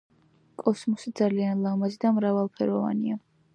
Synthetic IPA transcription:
kʼɔsmɔsid̪zalianlˠamazid̪amɾavalˠpʰɛɾɔva̰nia

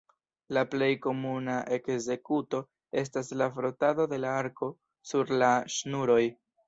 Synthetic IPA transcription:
laple̞jko̞munaʔe̞kze̞kuto̞ | e̞s̬taslafɾo̞tado̞de̞laaɾko̞ | suɾlaʃnuɾo̞j

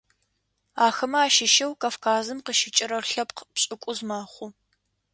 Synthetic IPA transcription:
aːxɐmɐaːʃɪʃɐwkʰaːfkʰaːzɨmqəʃɪt͡ʃʼɪɾɐrɬɐpqpɕʼɪkʷʼʊzmaːχʷʊ

